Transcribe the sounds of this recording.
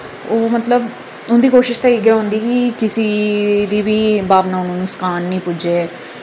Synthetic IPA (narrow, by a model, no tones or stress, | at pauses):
oːmət̪ləb | ʊnd̪iːkoːʃɪʃt̪aiːɡɛːɦõnd̪iːkɪkɪsiːd̪iːbiːbaːʋnaːʊnõːnũːskaːnːĩːpʊd͡ʒeː